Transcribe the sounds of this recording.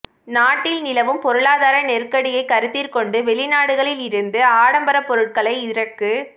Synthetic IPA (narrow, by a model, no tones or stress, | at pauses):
naːʈːɪlnɪlɐʋɯmpɔɾɯɭaːðaːɾɐnɛrkɐɽɪjɐɪkːɐɾɯt̪ːirkɔɳɖɯʋɛɭɪnaːɽɯɣɐɭɪlɪɾɯnd̪ɯaːɽɐmbɐɾɐpːɔɾɯʈ̚kɐɭɐɪɪɾɐkːɯ